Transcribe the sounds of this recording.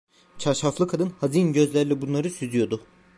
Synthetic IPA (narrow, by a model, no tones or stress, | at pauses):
t͡ʃʰaɾʃaflˠɯkʰad̪ɯnhazinɟø̞zlʲæɾlʲɛbunlˠaɾɯsyzyjo̞d̪ʊ